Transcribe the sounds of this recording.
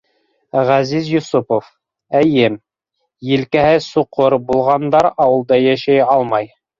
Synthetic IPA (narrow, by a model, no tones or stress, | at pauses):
ʁæzizjusupof | æjɘm | jɘ̆lkæhɘsuqoɾbulˠʁɑnd̪ɑɾɑwɤ̆lˠd̪ɑjæʃæjɑlˠmɑj